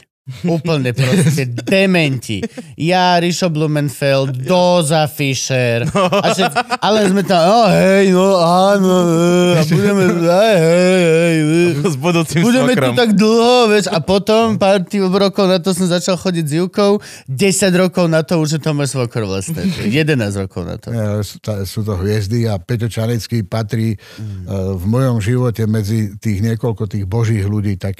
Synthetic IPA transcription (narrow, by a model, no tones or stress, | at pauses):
uːpl̩ɲɛpɾɔscɛd̪ɛmɛɲcḭjaɾiʃɔblumɛnfɛld̪d̪ɔzafiʃɛɾaʃɛʔalɛnzmɛt̪aɔɦɛjnɔanɔəabuɟɛmɛɦɛjɦɛjɦɛjəzbud̪ut͡simbuɟɛmɛɾɔmt̪aɡd̪l̩ˠɦɔʋɛʃapɔt̪ɔmpaːɾt̪ibɾɔkɔʊnat̪ɔsɔmzat͡ʃalxɔɟiɟziʊkɔʊ | ɟɛsaɟɾɔkɔʊnat̪ɔuʒjɛt̪ɔmɔjsʋɔkɾɔʋla̰st̪ɛ̰ɛjɛd̪ɛnaːzɾɔkɔʊna̰t̪ɔ̰ɛalɛsut̪asuːt̪ɔɦʋɪɛzd̪iapɛt̪ɔt͡ʃanit͡skipat̪ɾiː | vmɔjɔmʒiʋɔcɛmɛd͡zit̪iːɣɲɪɛkɔlkɔt̪iːɣbɔʒiːɣluɟiːt̪ak